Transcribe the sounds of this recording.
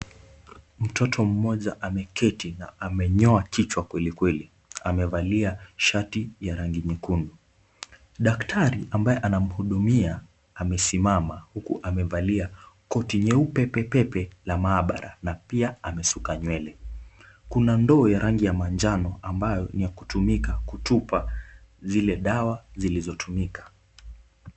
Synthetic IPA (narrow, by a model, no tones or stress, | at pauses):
m̩tɔtʰɔm̩mɔʄaʔamɛkɛtinaamɛɲɔakit͡ʃwakwɛlikwɛli | amɛvaliaʃatijaɾaŋɡimikundu | ɗaktʰaɾiʔambaɛʔanam̩huɗumiaː | mɛsimamahukṵʔamɛvaliakɔtiɲɛupɛpɛpɛpɛlamaːɓa̰ɾa̰napiaamɛsukaɲwɛlɛ | kunandɔːjaɾʔaŋɡijamand͡ʒanɔʔambajɔnijakutumikakutupazilɛɗawazilizɔtʰumikʰḁ